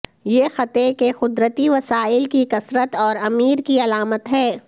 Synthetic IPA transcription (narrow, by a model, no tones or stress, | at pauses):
jexɐt̪ekexʊd̪ɾət̪iʋɐsaːɪlkikɐsɾət̪ɔːɾɐmiːɾkiɐlaːmət̪ɦɛː